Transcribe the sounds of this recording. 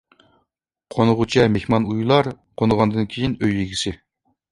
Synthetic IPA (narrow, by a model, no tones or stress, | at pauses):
qʰonɨʁut͡ʃʰɛmehmɑnujlˠɑɾ | qʰonɨʁɑnd̪ɨnkʲʰejinøjːiɡʲisɪ